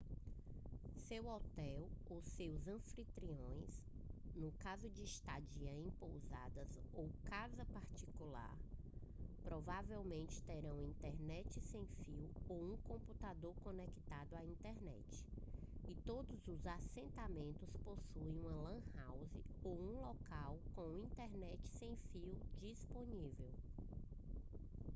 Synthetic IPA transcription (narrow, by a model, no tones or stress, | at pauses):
sewɔt̪ɛwosewzɐ̃fɾit̪ɾiõj̃s | nʊkazʊd͡ʒɪiʃt̪ad͡ʒiɐẽpowza̰d̪ɐzowkazɐpaɾt͡ʃikula̰ɾ | pɾɔvavewmẽnt͡ʃɪ̥t̪eɾɐ̃w̃ĩnt̪ɛɾnɛt͡ʃɪsẽj̃fiwowũkõput̪ad̪oɾkõnɛki̥t̪ad̪ʊaĩnt̪ɛɾnɛ̰t͡ʃɪ̥ɪt̪od̪ʊzʊzasẽnt̪amẽnt̪ʊsposuẽũɐlɐ̃hawzɪowũlɔkawkõw̃ĩnt̪ɛɾnɛt͡ʃɪ̥sẽj̃fiwd͡ʒisponivew